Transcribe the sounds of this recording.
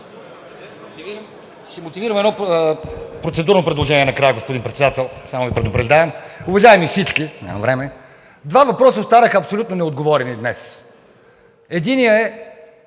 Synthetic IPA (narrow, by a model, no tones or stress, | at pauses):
ʃɛmot̪iviɾəmɛd̪nɔ | pɾot̪sɛd̪uɾnopɾɛd̪lˠoʒɛniɛnɐkɾajəɡospod̪inpɾɛt̪sɛd̪at̪ɛlˠsamovipɾɛd̪ʊpɾɐʒd̪aɛmʊvɐʒavɛmifsit͡ʃkina̰mvɾɛmɛ | d̪vavɐpɾɔsəot̪t̪aɾəxɐpsolʲut̪nonɛod̪̚ɡovɔɾɛnid̪nɛs | ɛd̪inijəɛ